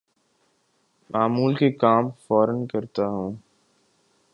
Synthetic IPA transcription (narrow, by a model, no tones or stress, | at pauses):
mʔaːmuːlkekaːmfɔːɾənkɐɾt̪aɦũː